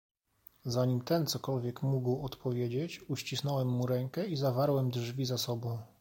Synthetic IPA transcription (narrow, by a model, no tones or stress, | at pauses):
zaɲimt̪ɛnt̪sɔkɔlvʲjɛkmuɡwɔt̪pɔvʲjed͡ʑet͡ɕuɕt͡ɕisn̪ɔwɛmːuɾɛŋkɛizavaɾwɛmd̪ʐvʲizasɔbɔ̃w̃